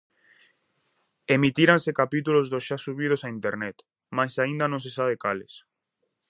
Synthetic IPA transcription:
emit̪iɾansekapit̪ulozðosʃasuβið̞osaint̪eɾnɛt̪ | majsaind̪anõŋsesaβ̞ekales

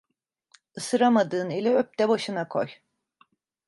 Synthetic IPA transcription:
ɯsɯɾamad̪ɯːnilʲɛøp̚t̪ɛbaʃɯnakʰo̰j

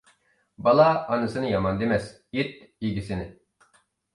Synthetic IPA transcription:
bɑlˠɑːnɯsɨnɯjɑmɑnd̪emɛs | it̪̚iɡʲisinɪ

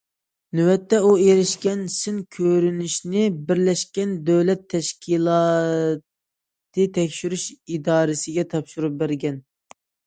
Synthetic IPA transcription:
nywɛt̪ːɛueɾɪʃkʲɛnsɪnkʲʰøɾynyʃnɪbɪɾlɛʃkʲɛnd̪øwlɛt̪ʰːɛʃkʲʰilˠɑ | t̪ʰɨt̪ʰɛkʲʃyɾyʃid̪ɑːɾɪsɪɡʲɛt̪ʰɑpʃuɾup̚bæɾɡʲɛn

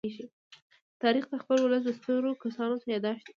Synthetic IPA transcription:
eʒi | t̪ɑɾixd̪axpəlwʊləs̬d̪əst̪əɾokasɑnosajɑd̪ɑʃd̪i

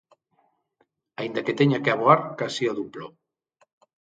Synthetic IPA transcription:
ajnd̪aket̪eɲakeaβoaɾkasiaðuplo

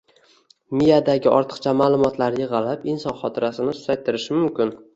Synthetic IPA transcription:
mijad̪aɡʲɪɒ̰ɾt̪ʰɨ̥qt͡ʃʰamaːlˠʊmɒt̪ʰlaɾjeʁɨlɪpɪnsɒnχɒt̪ʰɪɾasɪnɪt̪ʰʊ̥zajt̪ʰɪɾɪʃɪmʊmkʲɪn

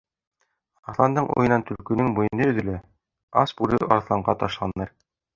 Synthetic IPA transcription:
ɑθlˠɑnd̪ɤɴʔṵjɤ̆nɑnt̪ɵ̆lkɵ̆nɘŋbujɤ̆nɤɵ̆ðɘ̆lɘ | ɑ̰sbuɾɤʔɑɾθlˠɑɴɢɑt̪ɑʃlˠɑnːɤɾ

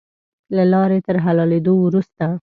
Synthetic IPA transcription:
lalɑɾet̪əɾɦalɑled̪owɾust̪a

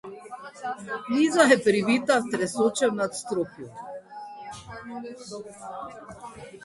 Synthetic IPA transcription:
nizaɦɛpɾivit̪aft̪ɾɛsɔt͡ʃɛmnat̪st̪ɾɔpju

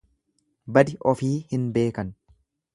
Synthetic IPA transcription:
bɐd̪ɪʔɔfiːhɪnbe̞ːkɐn

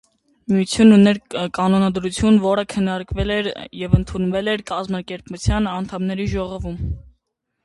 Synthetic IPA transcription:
mijut͡sʰjunːunɛɾkɑnɔnɑd̪ɾut͡sʰjunvɔɾəkʰənːɑɾkvɛlɛɾjɛvənt̪ʰunvɛlɛɾkɑzmɑkɛɾpmut͡sʰjɑnɑnt̪ʰɑmnɛɾiʒɔʁɔvum

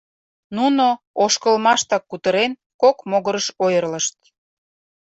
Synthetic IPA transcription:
nuno | oʃkəlmɑʃt̪ɑkːut̪əɾen | kokmoɣəɾəʃojərləʃt̪

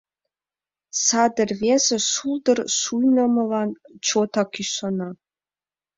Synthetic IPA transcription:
sɑd̪ə̆rvezə̆suld̪ərsujnɤmə̆lɑn | t͡ɕot̪ɑkiʃɑnɑ

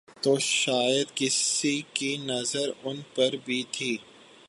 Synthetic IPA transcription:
t̪oːʃaːjəd̪kɪsikinɐzəɾʊnpɐɾbʱit̪ʰiː

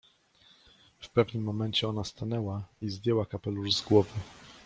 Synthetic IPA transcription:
fpɛvɲɘmːɔmɛɲt͡ɕɛɔnast̪anɛwaizd̪ʲjɛwakapɛluʐzɡwɔvɘ

